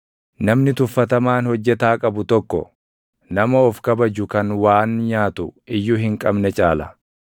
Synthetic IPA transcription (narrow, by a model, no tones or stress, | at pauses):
nɐmnɪt̪ʊfːɐt̪ɐmaːnhɔd͡ʒːɛt̪aːkʼɐbʊt̪ɔkːɔ̰ | nɐmɐɔfkɐbɐd͡ʒʊkɐnwaːnɲaːt̪ʊɪjːʊhɪŋkʼɐbnɛt͡ʃʼaːlɐ̰